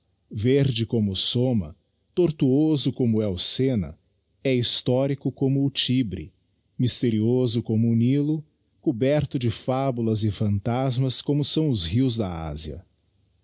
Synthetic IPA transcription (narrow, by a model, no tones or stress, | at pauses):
veɾd͡ʒɪkõmʊsomɐ | t̪oɾt̪uozʊkõmʊɛwʊsenɐ̰ | ɛist̪ɔɾikʊkõmʊːt͡ʃibɾɪ̰ | mist̪eɾiozʊkõmʊːnilʊ | kubɛɾt̪ʊd͡ʒɪfabulɐzɪfɐ̃nt̪azmɐskõmʊsɐ̃w̃ʊzɦiwzd̪ɐa̰ziɐ̰